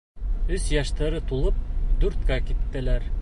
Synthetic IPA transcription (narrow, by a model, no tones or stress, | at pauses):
ʉzjɑʃt̪ɑɾɯt̪ʰulˠup̚d̪uɾt̪kɑkit̪ːɪ̆læɾ